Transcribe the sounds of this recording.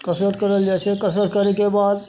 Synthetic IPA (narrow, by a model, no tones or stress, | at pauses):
kəsɾət̪kəɾəld͡ʒaːt͡ʃʰekəsɾət̪̚kəɾekebaːd̪̚